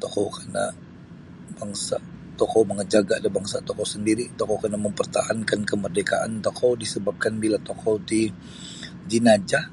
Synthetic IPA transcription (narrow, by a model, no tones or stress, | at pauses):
t̪okowkana̰ | b̥aŋsat̪ɔkowməŋəd͡ʒaɡaadabaŋsat̪ɔkowsəndiɾit̪ɔkowkanaməmpərt̪ahankankəmərdeka̰ʔa̰nt̪okʰowdisəbap̚kanbilat̪okʰowdi | d͡ʒinad͡ʒa